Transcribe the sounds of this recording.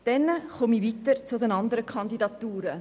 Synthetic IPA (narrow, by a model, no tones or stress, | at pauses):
d̥ɛnəχomiviːt̪əɾt͡sʊdɛnɑnd̪əɾəkʰɑnd̪idɑt̪uːɾə